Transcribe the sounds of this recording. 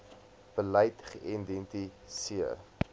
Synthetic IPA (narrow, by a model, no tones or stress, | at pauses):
b̥əlɐjtχəʔindɛnti | siə̰r